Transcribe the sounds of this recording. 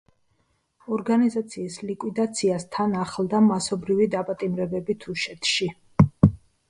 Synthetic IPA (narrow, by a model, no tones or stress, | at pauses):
ɔɾɡanizat̪sʰiːslikʼwid̪at̪sʰiast̪ʰanaχld̪amasɔbɾivid̪apʼat̪ʼimɾɛbɛbit̪ʰuʃɛt̪ʰʃi